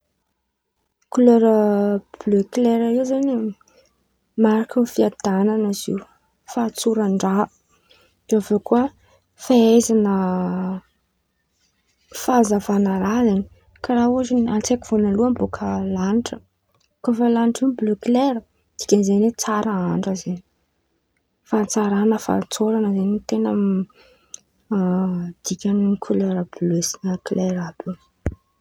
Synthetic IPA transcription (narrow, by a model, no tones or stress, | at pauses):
kløɾəb̥løkleɾaewzani | maɾakənfiad̪ananəz̥ḭw | fat͡suɾaɳɖ͡ʐa | d̪̥eavokuə | faezanə | fazavanəɾazani̥ | kaɾauazinant͡sekivonaluambokʰəlaniʈ͡ʂə | kofəlaniʈ͡ʂibløkleɾə | d̪̥i̥kʲanizenwet͡saɾəaɳɖ͡ʐəzeni̥ | fat͡saɾanəfa̰t͡soɾanəzenit̪enam | d̪̥ikʲaniikʰuleɾablesinəkleɾab̥e